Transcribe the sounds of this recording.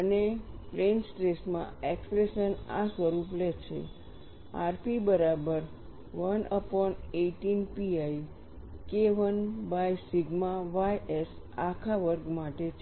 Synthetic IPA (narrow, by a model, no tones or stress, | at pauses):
ənepɾensʈɾesmã̰ekspɾeʃəna̰səɾuplet͡ʃʰḛ | a̰ɾpibəɾabəɾ | ʋənəpɔneʈinpiaj | keʋənbajsiɡmaʋajes | akʰaʋəɾɡmaʈet͡ʃʰ